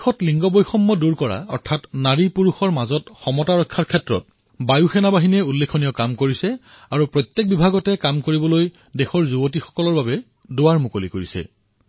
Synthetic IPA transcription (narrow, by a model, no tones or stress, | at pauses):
xɔtliŋɡɔbojxɔmːɔduɹkɔɹa̰ɔ̰ɹtʰatnaɹipuɹuxɔɹmazɔtxɔmɔtaɹɔkʰːaɹkʰɛtɹɔ̰t̚ | bajuxɛnabaɦinɛulːekʰonijɔkamkoɹisɛ | aɹupɹɔjt̪ːjek̚bibʱaɡɔtɛkamkoɹibɔloj | dexɔɹzubot̬ixɔ̥kɔlɔɹbabɛ | dowaɹmukolikoɹisɛ̰